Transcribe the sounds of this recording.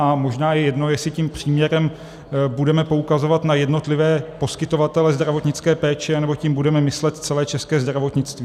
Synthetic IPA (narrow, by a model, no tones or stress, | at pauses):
amo̞ʒnaːjɛjɛdno̞jɛsɪcimpr̝̥iːmɲɛɾɛm | budɛmɛpo̞ukazo̞vat̪najɛdno̞t̪lɪvɛːpo̞skɪt̪o̞vat̪ɛlɛzd̪ɾavo̞t̪ɲɪt͡skɛːpɛːt͡ʃɛanɛbo̞cimbudɛmɛmɪslɛt̪t͡sɛlɛːt͡ʃɛskɛːzd̪ɾavo̞t̪ɲɪt͡st̪vi